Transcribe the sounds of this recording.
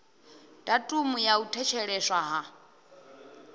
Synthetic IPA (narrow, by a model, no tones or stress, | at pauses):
d̥atʼumujautʰɛt͡ʃʰɛɺɛʃwaɦa